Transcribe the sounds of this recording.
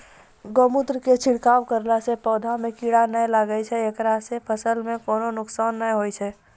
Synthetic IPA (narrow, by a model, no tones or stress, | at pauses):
ɡomut̪ɾəket͡ʃʰiɽkawkəɾlasepɔd̪ʱamekiɽanəjlaɡət͡ʃʰɛekɾasepʰəsəlmekononuksanːəjɦojt͡ʃʰɛ